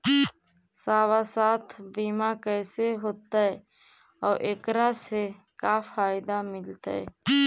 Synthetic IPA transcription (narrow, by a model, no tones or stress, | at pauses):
saːwasaːt̪ʰbiːmakɛːseɦoːt̪aɦɛ | ɔːɾʔeːkɾase | kafaːɪd̪amɪlt̪a̰ɦɛ̰